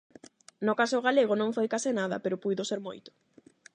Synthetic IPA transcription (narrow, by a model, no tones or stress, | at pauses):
nokasoɣaleɣ̞onõŋfojkasɪnaðɐ̰peɾopujðoseɾmo̰jt̪ʊ̥